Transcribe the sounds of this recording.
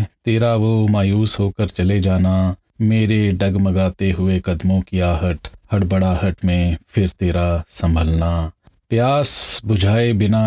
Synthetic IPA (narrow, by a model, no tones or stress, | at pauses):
t̪eːɾaʋomaːjuːsɦoːkəɾt͡ʃɐled͡ʒaːna | meːɾeɖɐɡmɐɡaːt̪eɦʊekɐd̪mõkiaːɦəʈhɐɽbɐɽaɦəʈmẽpʰɪɾt̪eːɾasɐ̃mbʱəlnapjaːsbʊd͡ʒʱaːebɪna